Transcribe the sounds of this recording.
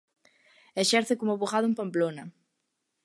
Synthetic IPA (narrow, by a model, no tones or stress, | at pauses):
eʃɛɾθekomʊβoɣaðʊmpamplonɐ